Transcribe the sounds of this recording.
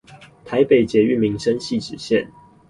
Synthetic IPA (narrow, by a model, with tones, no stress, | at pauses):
t̪ʰa˨˧˦ɪpe˨˩ɪt͡ɕjɛ˨˧˦y˥˨mi˨˦ŋʂə˦nɕi˥˨ʈ͡ʂɻ̩˨˩ɕjɛ˥˨n